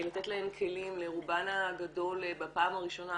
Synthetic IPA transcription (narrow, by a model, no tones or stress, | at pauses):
lat̪et̪laemkʰe̞limleʁubanaɡado̞lbapaːmaʁiʃo̞na